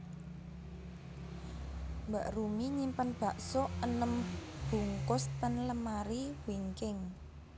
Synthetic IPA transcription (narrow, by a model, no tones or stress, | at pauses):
mbaʔrumiɲimpanb̥a̤ʔsɔənəm | b̥ṳŋkʊst̪anləmaɾiwiŋkɪŋ